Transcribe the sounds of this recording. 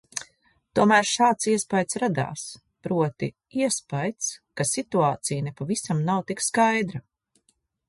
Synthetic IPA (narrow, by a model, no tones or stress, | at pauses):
t̪uɔmæːɾʃaːt̪siɛspajd̪sɾad̪a̰ːs | pɾuɔt̪ḭ | iɛspajt̪skasit̪uaːt̪sijnepavisamnawt̪ikskajd̪ɾa